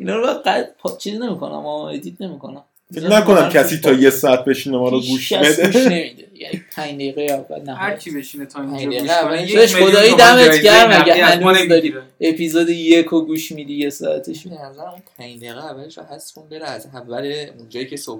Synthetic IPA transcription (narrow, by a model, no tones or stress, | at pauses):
inɒːɾæɢæd̪pʰt͡ʃʰizine̞miko̞næ̰mɒed̪id̪ne̞mikʰo̞næm | nækonæmkʰæsiːt̪ʰɒːjesɒæt̪̚be̞ʃinemɔɾoɡuʃæed̪eʃnemid̪ejæ̰nipʰæɲd̪ejiɣejævːæ̰lnæxæɾkʰibeʃinet̪ʰɒæ̃ɲd̪eeævæeeʃod̪ɒːid̪æmeɟæɾmæɡæælud̪ɒɾiepʰizoːd̪ejekʰoɡuːʃmid̪iːjesɒ̰æ̰t̪ʰeʃienæzæɾæmumpʰæjd̪eɣeævæleʃo̰hæskʰunbeɾɛæzævːæleund͡ʒɒːjicʰeso